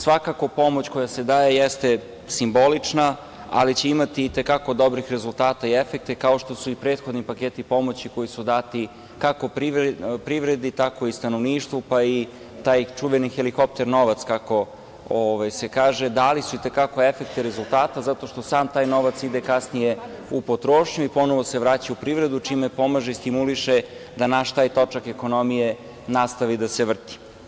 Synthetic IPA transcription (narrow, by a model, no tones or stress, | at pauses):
sʋakako̞po̞mo̞t͡ɕkojase̞d̪aːje̞jest̪e̞ | simbo̞lit͡ʂna | a̰lit͡ɕe̞imat̪iːt̪e̞kako̞d̪o̞bɾixɾe̞zulˠt̪aːt̪aiefek̚t̪ekao̞ʃt̪osuipɾet̪xo̞d̪nipakeːt̪ipo̞mo̞t͡ɕiko̞jisud̪aːt̪i | kako̞pɾipɾiʋɾe̞d̪it̪ako̞ist̪anoʋniːʃt̪ʋupai | t̪aːjt͡ʂuʋenixeliko̞p̚t̪e̞ɾno̞ʋat̪skako̞ | oʋajsekaːʒed̪alisuit̪e̞kako̞e̞fek̚t̪iɾezulˠt̪aːt̪azat̪o̞ʃt̪o̞saːmt̪aːjno̞ʋat̪sid̪ekasnije̞ | upot̪ɾoːʃɲuipo̞noʋo̞se̞ʋɾaːt͡ɕaupɾiʋvɾe̞d̪ut͡ʃimepo̞maʒeist̪imuliʃed̪anaʃt̪aːjt̪o̞t͡ʂakeko̞nomije | nast̪aʋid̪ase̞ʋr̩t̪i̥